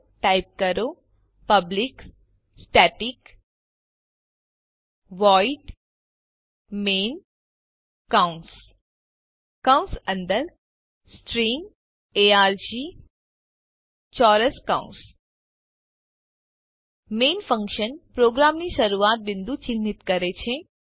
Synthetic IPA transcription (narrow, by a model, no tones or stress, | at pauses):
ʈajp̚kɐɾoː | pɐblik | sʈɛːʈik | ʋɔːiʈ | meːn | kaʊns | kawnsɐ̃nd̪əɾ | sʈɾim | eaɾd͡ʒi | t͡ʃɔɾəskã̰ũns | menfə̃ŋkʃənpɾoɡɾamniʃəɾuat̪̚bɪnd̪ut͡ʃɪnːit̪kəɾet͡ʃʰe